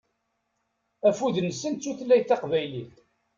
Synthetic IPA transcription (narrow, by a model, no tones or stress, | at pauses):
æfuðnəsːənt͡sːuθlːæjθɑqvæjliθ